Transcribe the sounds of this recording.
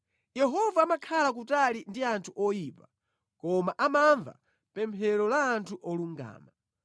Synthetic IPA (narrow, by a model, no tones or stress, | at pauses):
jɛɦɔvaːmakʰalak̬utalindiantʰuʔɔjiːpa | kɔmaʔamaɱva̰ | pɛmpʰɛɾɔlaːntʰuʔɔluŋɡa̰ːma